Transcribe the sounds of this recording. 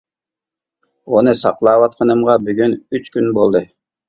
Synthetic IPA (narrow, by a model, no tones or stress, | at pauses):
onɯsɑqlˠɑːβɑt̪̚qʰɑnɯmʁɑbyɡynyt͡ʃkynbolˠd̪ɯ